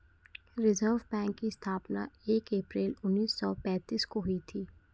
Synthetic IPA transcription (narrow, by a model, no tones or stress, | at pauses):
ɾɪzəɾʋbɛ̃ːŋkːist̪ʰaːpna̰eːkeːpɾeːlʊnːiːsːɔːpɛ̃ːt̪iːskoɦʊit̪ʰiː